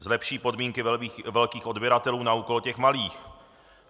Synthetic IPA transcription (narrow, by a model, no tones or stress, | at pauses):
zlɛpʃiːpo̞dmiːŋkɪvɛlkiːxo̞dbjɛɾat̪ɛluːnauːko̞lcɛxmaliːx